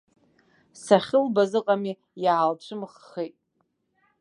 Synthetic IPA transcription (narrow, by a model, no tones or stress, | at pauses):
saχʲɪlbazɨqʼami | jaːlʈ͡ʂʷʰɨmχːejtʼ